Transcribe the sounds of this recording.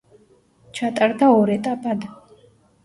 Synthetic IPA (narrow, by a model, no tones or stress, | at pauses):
t͡ʃʰat̪ʼaɾd̪aɔɾɛt̪ʼapʼad̪